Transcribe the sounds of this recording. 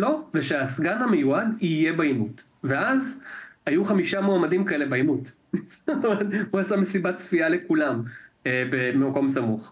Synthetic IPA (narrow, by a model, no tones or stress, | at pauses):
lo̞veʃeasɡanamejuadijebaimut | veazhajuχamiʃamoamadimkae̞le̞baimut | st̪omeʁet̪uasamesibat͡sfialekulamebemmako̞msamuχ